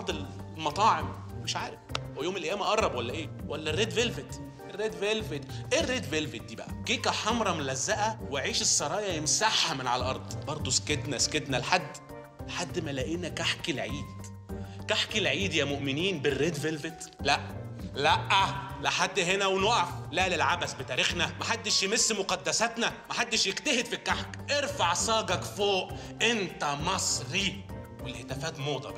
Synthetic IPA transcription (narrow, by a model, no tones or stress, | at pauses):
ɾˤd̪ˤel | mɑt̪ˤɑːʕem | meʃʕaːɾefjoːmelʔejæːmæʔɑrˤːɑbwælːæʔeːwʔælːærːeːd̪velvet̪ | erːeːd̪velvet̪ʔerːeːd̪velvet̪̚d̪iːbæ̰ʔækeːkæħɑmɾˤɑmlːæzːæʔæweʕiːʃesːɑɾˤɑːjɑjemsaħːæmenʕalʔɑɾˤd̪̥ˤbɑɾˤd̪ˤosked̪næsked̪nælħad̪ː | lħad̪ːmælæʔiːnækaħkilʕiːd̪ | kaħkilʕiːd̪jæːmoʔmɪniːnberːeːd̪velvet̪læʔ | læʔːæleħad̪ːɦenæwenæʔæflæːlelʕabæsbet̪æːɾixnæmæħad̪ːɪʃjemesːmoqɑd̪ːæsæt̪næmæħad̪ːeʃjekt̪æhed̪fikːaħkʔeɾfaʕsɑːɡɑkfoːʔ | ʔent̪æmɑsˤɾi | welhet̪æfæːt̪moːd̪ˤɑb